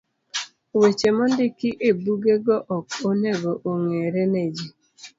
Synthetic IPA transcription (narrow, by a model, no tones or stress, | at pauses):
wet͡ʃemɔndɪkɪʔebuɡeɡɔʔɔkoneɡoʔoŋeɾened͡ʒi